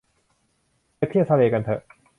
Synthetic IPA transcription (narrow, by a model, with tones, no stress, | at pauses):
tʰi˥˩˨wt̪ʰa˧leː˧˩ka˧nt̪ʰɤ˧˩ʔ